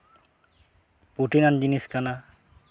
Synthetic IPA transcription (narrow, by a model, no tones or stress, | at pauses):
puʈinand͡ʑiniskana